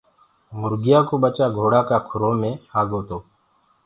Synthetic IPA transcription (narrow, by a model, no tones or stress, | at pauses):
mʊɾɡɪjaːkoːɓət͡ʃaːɡʱoːɽaːkaːkʰʊɾoːmẽːhaːɡoːt̪oː